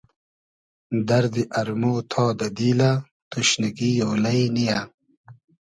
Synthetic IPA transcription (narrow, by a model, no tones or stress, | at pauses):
d̪ɐɾd̪iʔɐɾmoːt̪ʰɑːd̪ɐd̪iːla | t̪uɕniɡijoːlɐjnija